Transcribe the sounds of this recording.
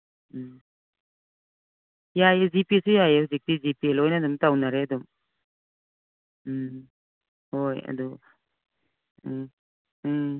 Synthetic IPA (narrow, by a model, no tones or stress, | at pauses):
jajzipisijajeuzik̚tizipielojnadumtawnaɾeadum | hoja̰du